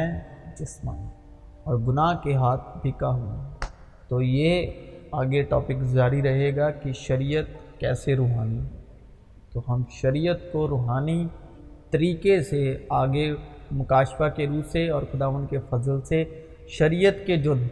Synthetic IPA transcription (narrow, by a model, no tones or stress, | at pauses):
ɛ̃d͡ʒɪsmã̰ː | ɔːɾɡʊnaːɦkeɦaːt̪̚ʰbʱɪkaɦũ | t̪oːjeaːɡeʈɔːpɪkzaːɾiɾɐɦeːɡakiʃɐɾijət̪kɛːseɾuːɦaːni | t̪oɦɐmʃɐɾijət̪koɾoːɦaːni | t̪ɐɾiːkeseaːɡemʊkaːʃfakeɾuːseɔːɾxʊd̪aːʋə̃nd̪kefɐzəlse | ʃɐɾijət̪ked͡ʒoː